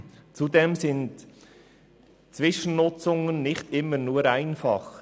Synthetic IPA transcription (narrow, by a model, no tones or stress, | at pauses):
t͡sudɛmsɪnt | t͡sʋɪʃən̩nʊt͡sʊŋənːɪχtɪmːəɾnuəɾaɪnfɑχ